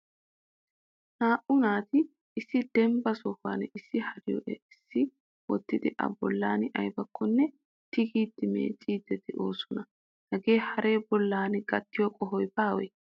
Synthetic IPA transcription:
naːʔʊnaːt̪ɪː | sːɪd̪ɛmbɐsɔha̰ːnɪsːɪhɐɾɪjɔ̰ʔɛɪsːɪ | wɔ̰t̪ːɪd̪ɪʔɐ̰bɔ̰lːaːnɪʔɐjbɐkʰːɔnːɛ | t̪ɪɡiːd̪ːɪmḛːt͡sʼiːd̪ːɛt̪ɪʔo̞ːsɔnɐ | hɐɡe̞ːhɐɾe̞ːbɔlːaːnɪɡɐt̪ːɪjɔkʼɔɦɔjbaːwɛ̰

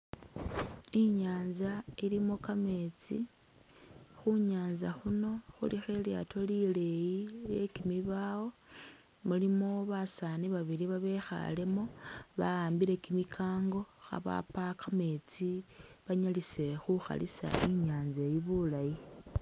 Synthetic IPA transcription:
iɲaːnzailimo̞kame̞t͡sḭ | xuɲaːnzaxuno̞xṵlixe̞lia̰tʰo̞lile̞jile̞kimiβaːwo̞ | mulimo̞βasaːniβaβiliβaβe̞xa̰le̞mo̞βaaːmbiɾe̞kimikʰaːŋɡo̞xa̰βa̰pakame̞t͡siβaɲalise̞xuxa̰lḭsa̰ʔiɲaːnzejiβulaji

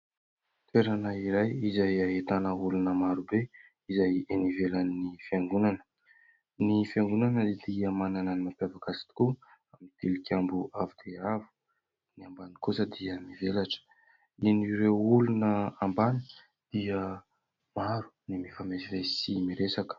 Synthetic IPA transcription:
t̪ʰeɾanəiɾajizajaɦet̪anəulunəmaɾube | izajenivelanːifiaŋɡunanə̥ | nifjaŋɡunanəd̪iəmananənimapjavakasi̥t̪i̥ku | amit̪ilikʲambuavid̪̥eavu̥ | niambanikusəd̪iəmivelaʈ͡ʂə̥ | iniɾewulunəambani | d̪̥iə | maɾu̥nimifamesivesimiɾesakə̥

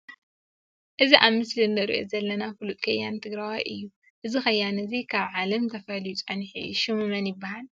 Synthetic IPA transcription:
ʔɨziʔaβmɨslind̪ɐɾḭʔo̰zɐlːɐnafɨlut̪ʼkʰɐjːant̪ʰɨɡɾawajʔɨjːu | ʔɨzixɐjːanɨzikʰaβʕalɐmt̪ʰɐfɐljut͡sʼɐnħḭʃɨmɨmɐnjɪbːahal

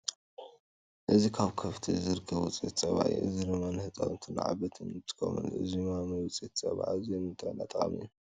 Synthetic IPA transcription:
ʔɨzikʰaβkʰɐft̪ʰizɨɾɨkʰːɐβut͡sʼet̪t͡sʼɐβa̰ʕḭʔɨ̰ziɾɨmanhɨt̪ʼa̰wɨnt̪ʰɨn̰ʕa̰βɐt̪ʰɨnt̪ʰɨ̥kʰo̰mɨ̰nʔɨ̰zimamɐjwt͡sʼet̪sʼɐ̰βa̰ʕazenɨnt̪ʰɐɐnat̪ʼɐχʼɐ̰mḭju

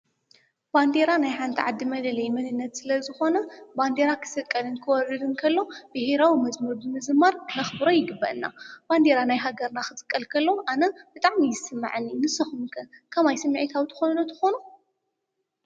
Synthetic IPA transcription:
band̪eɾanajħant̪ʰiʕad̪ːimɐlɐlɐjmɐnɨnːɐt̪sɨlɐzɨxo̞nɐband̪eɾakʰɨ̥sɨkʼːɐlɨnkʰɨwɔɾːɨd̪ɨnkʰɐlːo̞bɨheɾawimɐzmɐɾbɨmɨzɨmːaɾmɐxbɨɾojɪɡɨbːɐʔɨnːa̰b̥and̪eɾanajɦaɡɐɾnaxɨzʼɨkʼːɐlkʰɐlːowʔanɐb̥ɨt̪ʼaʕmijɪsɨmːa̰ʕɨnːinɨsɐxumkʰɐkʰɐmajsɨmːiʕit̪ʰawt̪ʰɨ̥xonnot̪ʰɐ̥xonu

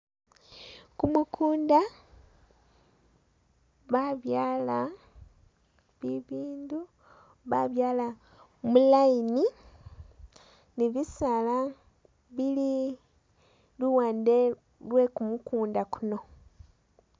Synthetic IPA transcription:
kumukʰuːnda | βaβjaːla | βiβiːndu | βaβjaːla | mulajini | niβisala | βili | luwaːnde | lwe̞kumukuːndakuno̞

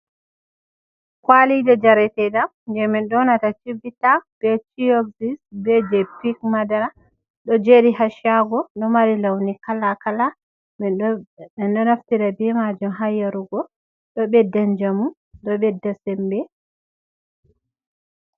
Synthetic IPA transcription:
kwalidɛd͡ʒaɾɛtɛdam | nd͡ʒɛmɛnɗɔnatat͡ʃiɡitab̥ɛt͡ʃioksisbɛd͡ʒɛpikmadaɾa | ɗɔd͡ʒeɾihaʃjaɡɔɗɔmaɾilawnikalakala | ɛnɗɔnaftiɾabɛmad͡ʒumɦajaɾuɡɔ | ɗɔɓɛdːand͡ʒamu | ɗɔɓɛdːasɛmbɛ

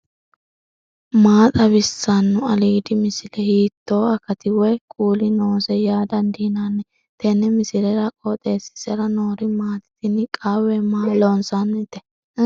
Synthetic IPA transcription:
maːt̪ʼɐβɪsːanːʊɐliːd̪ɪmɪsɪlɛhiːt̪ːo̞ːɐkːɐt̪ɪwɔjkʼuːlɪnoːsɛjaːd̪ɐnd̪iːnaːnːɛ | t̪ɛnɛmɪsɪlɛɾɐkʼot̪ʼe̞ːsɪ̥sɛɾɐnoːɾɪmaːt̪ɪ̥t̪ɪnɪkʼaːwɛmaːloːnsanːt̪ːɛ

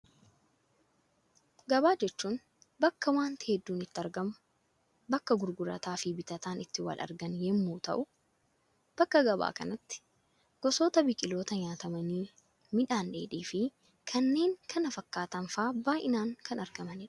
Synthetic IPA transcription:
ɡɐbaːd͡ʒɛt͡ʃːuːn | bɐkːɐwaːnt̪ɪ̥hɛd̪ːuːnɪt̪ːɪɐɾɡɐmʊ | bɐkːɐɡʊɾɡʊɾɐ̰t̪aːfɪbɪt̪ɐt̪aːnɪt̪ːɪwɐ̰lʔɐ̰ɾɡɐnjɛmːuːt̪ɐ̰ʔʊ | b̥ɐkːɐɡɐba̰ːkɐ̰nɐt̪ːɪ̥ | ɡ̥ɔso̞ːt̪ɐbɪkʼɪlo̞ːt̪ɐɲaːt̪ɐmɐniː | mɪᶑaːndeːᶑiːfɪ | kʰɐnːe̞ːŋkʰɐnɐfɐkːaːt̪ɐnfaːbaːjʔɪnaːŋkʰɐnɐɾɡɐmɐnɪᶑɐ̥

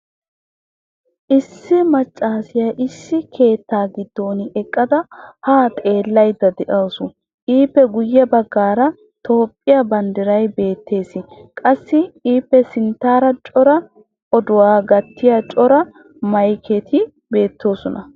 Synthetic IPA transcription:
ʔɪsːɪmɐt͡ʃʼːaːsɪjaʔɪsːɪkʰe̞ːt̪ːaːɡɪd̪ːo̞ːnɪɛkʼːɐd̪ɐhaːt̪ʼe̞ːlːɐjd̪ːɐd̪ɛʔɐːsʊ | ʔiːpːɛɡʊjːɛbɐɡːaːɾɐ | t̪ʰo̞ːpʼːɪjɐbɐnd̪ɪɾɐjbe̞ːt̪ʰːe̞ːsɪkʼɐsːɪiːpːɛsɪnt̪ːaːɾɐt͡ʃʼɔɾɐ | ɔd̪ʊwaːɡɐt̪ːɪjat͡ʃʼɔɾɐ | mɐjkʰɛt̪ʰɪ | be̞ːt̪ːo̞ːsɔnɐ

